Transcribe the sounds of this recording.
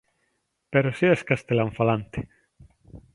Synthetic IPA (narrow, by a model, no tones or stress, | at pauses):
peɾosieskast̪elaɱfalant̪e̥